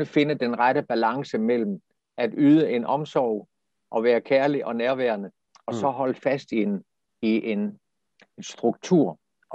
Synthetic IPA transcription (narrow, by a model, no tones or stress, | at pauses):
əfe̝nəd̥enʁad̥əb̥ælɑ̈ŋsəmel̰m̩ | ʔæd̥yːð̞ˠəʔe̝nʔɒ̽msɒʊʊ | ʔɒ̽ʋæːɐkʰæɐliʔɒ̽næɐʋæɐnə | ɒ̽sɒ̽ɦɒ̽l̰fæsd̥in | iʔe̝n | sd̥ʁuɡ̥̚t͡sʰuɐ̰